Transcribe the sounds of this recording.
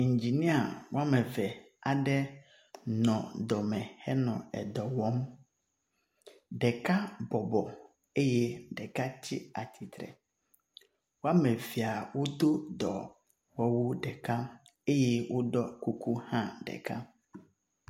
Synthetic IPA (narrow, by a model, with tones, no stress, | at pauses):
ɲ̩˨d͡ʑi˨nĩ˦a˨wa˦mɛ̃˨vɛ˨ | a˨dɛ˦ | nɔ̃˨dɔ˨mɛ̃˨hɛ˦nɔ̃˨ɛ̰˨dɔ˨wɔ̃˦m | dɛ˨kʰa˦bɔ˨bɔ˨ | e˦jɛ˦dɛ˨ka˦t͡ɕʰɪ˦a˨tʰi˨t̪ʰɾɛ̰˨ | wɔ˦a˦mɛ̃˨vi˨a˨wʊ˦d̪o˦dɔ˨ | wɔ˦wʊ˦dɛ˨kʰa˦ | e˦jɛ˦wʔʊ˦dɔ˦kʰu˦kʰu˦hã˦dɛ̰˨kʰa˦